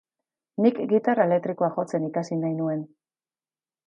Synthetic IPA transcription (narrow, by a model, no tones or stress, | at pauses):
nikɡit̪araele̞k̚t̪ɾiko̞axo̞t͡se̞nikasinajnue̞n